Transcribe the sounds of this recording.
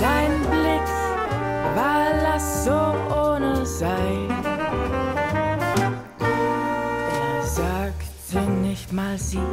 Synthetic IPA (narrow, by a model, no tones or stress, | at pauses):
d̥aɪnnblɪk | vaːlasz̥oːʔoːnəzaɪ | eːɐzaːktʰənɪçtmaːlziː